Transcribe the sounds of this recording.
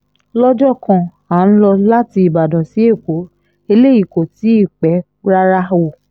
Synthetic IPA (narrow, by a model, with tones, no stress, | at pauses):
lɔ˦d͡ʒɔ˦˨kã˦˨ | a˨˦n̩˦lɔ˧la˦ti˧i˨ba˨dɔ̃˨si˨˦e˦˨ko˨˦ | e˧le˦˨i˨ko˨ti˨˦i˦˨k͡pɛ˨˦ | ɾa˦ɾa˦wo˨